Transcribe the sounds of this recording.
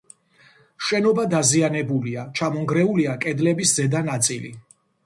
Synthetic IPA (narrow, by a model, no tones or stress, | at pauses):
ʃɛnɔbad̪azianɛbuliat͡ʃʰamɔŋɡɾɛuliakʼɛd̪lɛbiszɛd̪anat̪sʼilḭ